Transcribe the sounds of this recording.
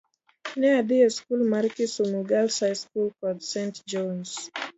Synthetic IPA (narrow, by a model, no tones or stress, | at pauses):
nɛadiaskulmaɾkisumuɡalsajskulkɔdsɛ̃ntd͡ʒɔ̃ns